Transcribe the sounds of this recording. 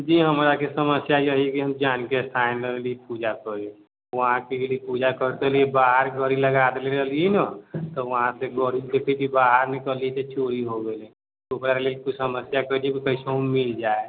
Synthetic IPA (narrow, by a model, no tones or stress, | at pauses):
d͡ʒiɦəmɾakisəməsjajəɦikiɦəmd͡ʒaːnkest̪ʰaenəɾelipud͡ʒakəɾe | ʋəɦãkikelipud͡ʒakəɾt̪eliebaːɦəɾɡʱəɾiləɡad̪eleəliinət̪ɔʋəɦãseɡʱəɾikekʰibʱibaɦəɾnikəliet̪et͡ʃʰoɾiɦoɡelẽ | ukɾaɾelekut͡ʃʰsəməsjakəliekikəɪseɦəmmild͡ʒae